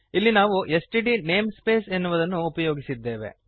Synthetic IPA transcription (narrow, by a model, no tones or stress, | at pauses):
ilːinaːʋuesʈiʈine̞ːmspe̞ːse̞nːuʋɐd̪ɐnːuːpɐjo̞ːɡisid̪ːe̞ːʋe̞̰